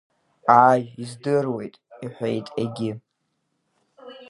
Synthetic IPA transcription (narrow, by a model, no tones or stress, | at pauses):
aʒizdɨrwe̞jtʼiħʷejtʼeɡʲɪ